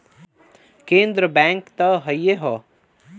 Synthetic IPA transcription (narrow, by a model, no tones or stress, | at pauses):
kẽːnd̪ɾəbɛ̃ːŋkt̪ɐɦɐjjeɦɔ